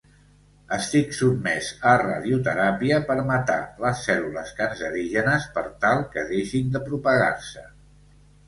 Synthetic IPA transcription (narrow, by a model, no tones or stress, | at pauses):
əst̪iksubmɛzəra̰ðiut̪əɾapiəpəɾmət̪a̰ləsːɛluləskanzəɾiʒənəspəɾt̪alˠkəðeʃind̪əpɾupəɣa̰rsə